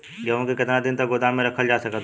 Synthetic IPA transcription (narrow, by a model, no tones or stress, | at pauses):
d͡ʒəõkekɪt̪ɾad̪ɪnt̪əkɡʊd̪amẽɾɐkʰəld͡ʒaːsɐkət̪